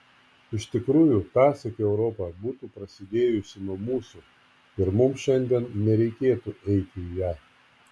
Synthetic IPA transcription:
ɪʃʲt̪ʲɪkɾuːjut̪ɑːsɐkʲeɛʊɾɔpɐbuːt̪uːpɾɐsʲɪd̪ʲeːjʊsʲɪnuɔmuːsu | ɪɾmʊmʃʲɛnʲd̪ʲiɛnnʲɛɾʲɛɪkʲeːt̪uʔɛɪt̪ʲɪijæː

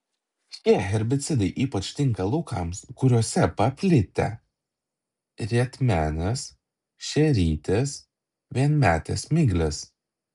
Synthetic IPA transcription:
t̪ʲiɛɣʲɛɾʲbʲɪt̪sʲɪd̪ɐɪʔiːpɐt͡ʃt̪ʲɪŋkɐlˠʊkʰɐ̰mskʊɾʲuɔsʲɛpɐpʲlʲɪt̪ʲɛ̰ | ɾʲiɛt̪ʲmʲæːnʲɛs | ʃʲɛɾʲiːt̪ʲes | ʋʲiɛnmʲæːt̪ʲɛ̰smʲɪɡlʲes

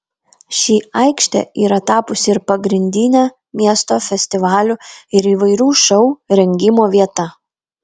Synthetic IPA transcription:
ʃʲiːɐɪkʃʲt̪ʲɛ̰iːɾɐt̪ɑːpʊsʲɪɪɾpɐɡɾʲɪnʲd̪ʲɪnʲæː | mʲiɛst̪oːfʲɛsʲt̪ʲɪʋɑːlʲʊɪɾiːʋɐɪɾʲuːʃɐʊɾʲɛŋʲɡʲɪmoːʋʲiɛt̪ɐ

